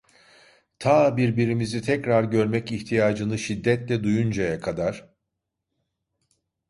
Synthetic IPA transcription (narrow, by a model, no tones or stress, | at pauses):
t̪ʰaːbiɾbiɾimizit̪ʰɛcɾaɾɟø̞ɾmɛciçt̪ʰijaːd͡ʒɯnɯʃid̪ːɛt̪lʲɛd̪ujund͡ʒajakʰad̪aɾ̥